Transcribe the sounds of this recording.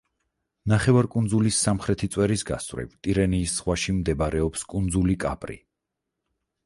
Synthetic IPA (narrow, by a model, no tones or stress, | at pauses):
naχɛvaɾkʼunzulisːamχɾɛt̪ʰit̪sʼwɛɾisɡa̰svɾɛ̰vt̪ʼiɾɛniːsːχʁwaʃimd̪ɛbaɾɛɔpskʼund̪zulikʼa̰pʼɾḭ